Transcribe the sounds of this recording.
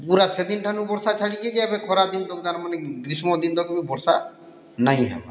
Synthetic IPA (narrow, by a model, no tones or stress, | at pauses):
puɾased̪inʈʰanũbɔɾsat͡ʃʰaɽiked͡ʒeɛbekʰɔɾad̪ind̪ɔkt̪aɾmaneɡɾismɔd̪ind̪ɔkmibɔɾsa | naj̃ɦɛ̰ba̰